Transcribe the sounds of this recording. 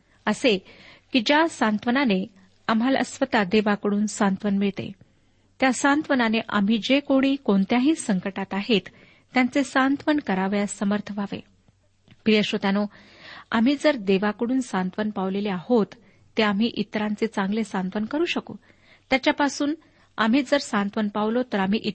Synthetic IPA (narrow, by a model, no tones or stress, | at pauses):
əsekid͡ʑjasant̪ʋənane | am̤ɦalə̰sʋət̪ad̪eʋakəɽuːnsant̪ʋənmiɭt̪ḛ | t̪jasant̪ʋənaneʔam̤iːd͡ʑekoɽ̃iːkoɳt̪jaɦiːsəŋkəʈat̪aɦet̪ː | jant͡sesant̪ʋəɳkəɾaʋjasəməɾt̪ʰəʋaʋḛ | pɾijəɕot̪ano | a̰m̤iːd͡zəɾd̪eʋakəɽuːnsant̪ʋənpaʋleleahot̪ː | eam̤iːʔit̪ɾãnt͡set͡sãŋɡlesant̪ʋənkəɾuːɕəkṵː | t̪jat͡ɕjapasuːn | a̰m̤iːd͡zəɾsant̪ʋənpaʋlot̪əɾam̤iːʔi